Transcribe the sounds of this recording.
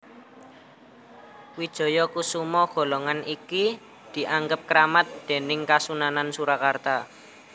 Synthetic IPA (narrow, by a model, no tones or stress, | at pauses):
wid̥ʒ̥ɔ̤jɔkusumɔɡ̥ɔ̤lɔŋaniki | d̪̥i̤ʔaŋɡəp̚kəɾamat̪̚d̪̥e̤nɪŋkasunanansuɾakart̪a